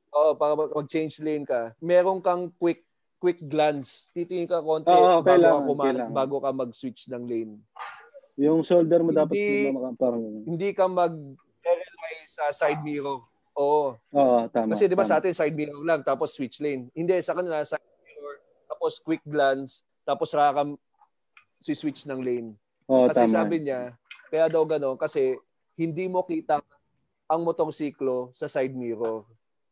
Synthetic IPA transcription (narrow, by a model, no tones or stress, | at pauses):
ʔoːʔopaːɾɐmɐmɐɡ̚t͡ʃɛjnd͡ʒlejnkɐmɛːɾo̞ŋkɐŋkwɪk̚ː | wɪk̚ɡlanst̪it̪ɪŋɪnkɐko̞nt̪oɛokɐjlaɐomlabaːɡo̞kɐmɐɡ̚swɪt͡ʃnɐŋlejn | jʊŋsold̪ɛɾmod̪aːp̬ɐtlamɐkapaːɾɐŋɐhɪnd̪ikɐmɐɡ̚ | ɛɾɛlajsɐsajd̪̚miːɾo | ʔoːʔooːʔot̪aːmkɐsɛd̪ɪbasɐʔaːt̪ɪnsajd̪̚miːɾolaŋt̪aːposːwɪt͡ʃlejnhɪnd̪ɛsɐkɐnɪlasajd̪̚miɾoɹ | t̪aːposkwɪk̚ɡlans | t̪aːposɐɾakɐm | siswɪt͡ʃnɐŋlejn | oʔokɐsɛsaːbɪɲakɐjaːd̪ɐwɡɐno̞nkɐsɛ | hɪnd̪imokiːt̪ɐŋ | ʔɐŋmot̪o̞ɾsiːklo̞sɐsajd̪̚miːɾoɾ